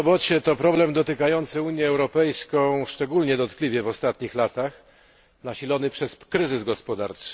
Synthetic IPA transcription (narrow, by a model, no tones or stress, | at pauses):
ɔbɔt͡ɕɛt̪ɔpɾɔblɛmd̪ɔt̪ɘkajɔnt̪sɘuɲjɛːwɾɔpɛjskɔ̃w̃ʂt͡ʂɛɡulɲɛd̪ɔt̪klʲivʲjɛvɔst̪at̪ɲixlat̪ax | naɕilɔnɘpʂɛskɾɘzɘzɡɔspɔd̪a̰ɾt͡ʂɘ̥